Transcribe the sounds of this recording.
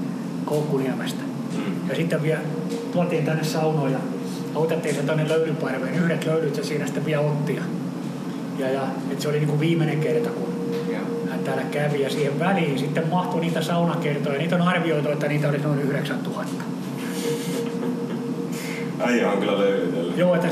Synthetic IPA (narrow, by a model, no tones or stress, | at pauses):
koukːuniæmest̪æ̥ | jɑsit̪ːeʋʋiæ | t̪uɑt̪iːnt̪ænːessɑunoːjɑ | ɑut̪et̪ːiːnsent̪onːeløylypɑrʋeːnyhɾet̪løylyt̪jɑsiːnæsi̥t̪ːeʋʋiæot̪ːijɑ | jɑjɑ | et̪seoliniːŋkuʋʋiːmːeneŋkert̪ɑkun | hænt̪æːlækæʋijɑsiːheʋʋæliːnsit̪ːemmɑht̪oniːt̪æsɑunɑkert̪ojɑniːt̪onɑrʋioit̪uet̪ːæniːt̪æolisnoinyhɾeksænt̪uhɑt̪ːɑ̥ | ɑiɑŋkylːæløylyt̪elːjoːet̪ːæ